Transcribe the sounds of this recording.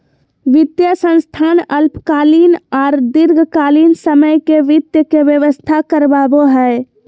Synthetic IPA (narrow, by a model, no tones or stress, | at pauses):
ʋit̪jəsə̃nst̪ʰanəlpkalinɔːɾd̪iɾɡʱkalinsəməjkeʋit̪jəkeʋjəʋəst̪ʰakəɾbaboɦəe